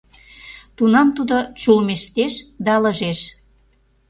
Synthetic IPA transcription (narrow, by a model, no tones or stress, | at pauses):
t̪unɑmt̪ud̪ot͡ɕulmeʃt̪eʃd̪ɑlə̆ʒeʃ